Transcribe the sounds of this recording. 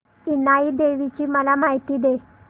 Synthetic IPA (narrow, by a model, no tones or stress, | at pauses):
inaiːd̪eʋit͡ɕiːməlamaɦit̪iːd̪e